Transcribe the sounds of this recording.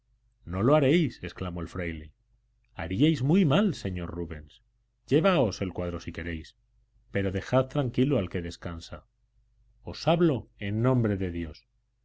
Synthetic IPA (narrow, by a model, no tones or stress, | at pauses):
no̞loaɾe̞jse̞sklamo̞elfɾajli | aɾiajzmujmalse̞ɲo̞ɾruβe̞ns | ɟ͡ʝe̞βaose̞lkwað̞ɾo̞sike̞ɾe̞js | pe̞ɾo̞ðe̞xaðt̪ɾaŋkiloalke̞ðe̞skansa | o̞saβlo̞e̞nːõ̞mbɾe̞ðe̞ðjo̞s